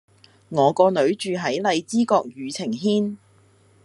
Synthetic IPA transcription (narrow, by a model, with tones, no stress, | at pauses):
ŋɔː˨˧kɔː˧nɵ˨˧˥ɥt͡ʃyː˨˧ɦɐ˨˥jlɐ˨˧jt͡siː˥kɔː˧k̚jyː˨˧t͡sʰɪ˨˩ŋɦiː˥n